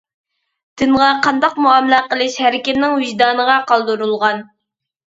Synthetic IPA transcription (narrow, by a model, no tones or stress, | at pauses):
d̪̥ɪnʁɑqʰɑnd̪ɑqmuɑmlɑqəlˠɪʃhæɾɪkʲɪt̪nɪŋwiʒd̪ɑːnəʁɑqɑlˠd̪uɾulˠʁɑn